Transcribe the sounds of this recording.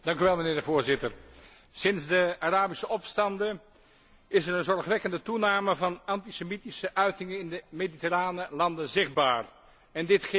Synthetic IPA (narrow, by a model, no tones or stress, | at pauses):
d̥ɑŋkyʋɛlˠmənɪːɹdəvoːɹzɪtər | sɪnzdəaraːbisəʔɔpstɑndə | ɪsəɹənzɔɹχʋɛkəndətunaːməvɑnɑntisemitisəʔœɥtɪŋənɪndəmeditəraːnəlɑndəzɪχ̚ba̰ːr | ɛndɪtχ